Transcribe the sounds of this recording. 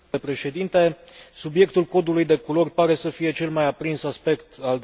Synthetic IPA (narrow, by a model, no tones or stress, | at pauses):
epɾe̞ʃe̞d̪int̪e̞subje̞kt̪ulko̞d̪ulujd̪e̞kulorʲpaɾe̞səfije̞t͡ʃe̞lmajapɾinsaspe̞kt̪ald̪